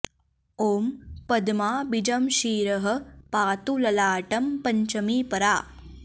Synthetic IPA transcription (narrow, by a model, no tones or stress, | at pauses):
oːmpɐd̪maːbid͡ʒɐmʃiːɾɐɦɐ̆paːt̪ulɐlaːʈɐmpɐɲt͡ʃɐmiːpɐɾaː